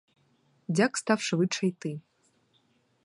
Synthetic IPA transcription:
d͡zʲakst̪awʂɨvɨt͡ʂɐjt̪ɨ

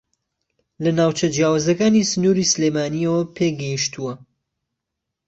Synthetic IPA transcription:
lɐnaːwt͡ʃɐd͡ʒjaːwazɐkaːnisɨnuɾisɨlemaːniɐwɐpʰeːɡɐjiʃt̪uwɐ

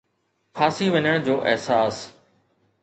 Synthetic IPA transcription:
xʰaːsiʋɐɲəɽ̃d͡ʑoːʔɛ̰ɦsaːs

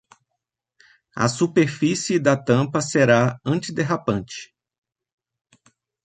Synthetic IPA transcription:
ɐ̰supeɾfisɪd̪ɐt̪ɐ̃mpɐseɾaɐ̃t͡ʃɪd̪eɦapɐ̃t͡ʃɪ̥

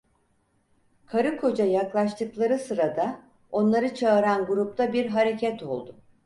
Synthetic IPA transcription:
kʰaɾɯkʰo̞d͡ʒajaklˠaʃt̪ʰɯklˠaɾɯsɯɾad̪a | o̞nlˠaɾɯt͡ʃʰaɯɾanɡuɾup̚t̪ʰabiɾɦaɾe̞cʰɛt̪ʰo̞̰lˠd̪ʊ

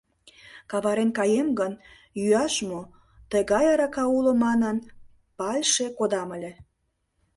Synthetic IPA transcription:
kɑβɑɾenkɑjemɡən | jyɑʃmo | t̪əɣɑjɑɾɑkɑulomɑnən | pɑlʲʃekod̪ɑməlʲĕ

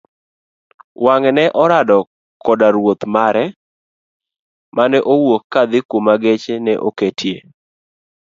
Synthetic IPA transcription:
waŋɛnɛʔɔɾadɔ | kɔdaɾwot̪maɾɛ | manɛʔowokːad̪ɪkomaɡet͡ʃenɛʔoketʰje

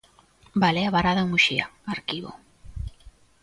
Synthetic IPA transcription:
balɛaβaɾaðamuʃia̰aɾkiβo̰

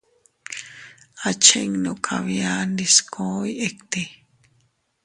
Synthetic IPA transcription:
at͡ʃʰḛŋnokʰa̰βjaːnd̪iskʰoːjekt̪i

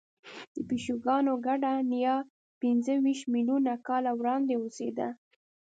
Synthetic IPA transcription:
d̪əpiʃuɡɑnoɡaɖanijɑ | pinzəwiʃmilunakɑlawɾɑnd̪eosed̪a̰

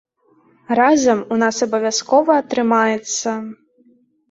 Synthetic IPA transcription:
ɾazɐmunasɐbɐvʲjaskɔvɐːt̪ɾɨmajɛt̪sːɐ

